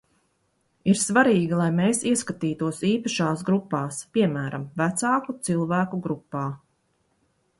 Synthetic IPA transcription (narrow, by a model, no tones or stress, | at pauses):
iɾsvaɾiːɡilˠajmeːsiɛskat̪iːt̪uɔsiːpaʃaːsɡɾupːaːspiɛmæːɾamvæt̪sɑːkut̪silˠvæːkuɡɾupːɑː